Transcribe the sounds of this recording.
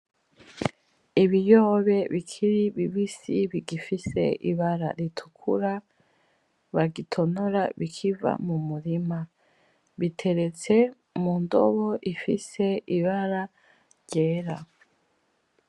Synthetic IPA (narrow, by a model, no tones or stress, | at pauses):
iβijo̞ːβe̞βikʰiɾiβiβisiβiɡifise̞̰ḭβaɾa̰ɾitʰu̥kʰṵɾa | βaɡitʰo̞noɾaβikʰiva̰mumuɾima | βitʰe̞ɾe̞t͡se̞ | mundo̰βo̞ʔifise̞iβaɾa | ɾɟeːɾa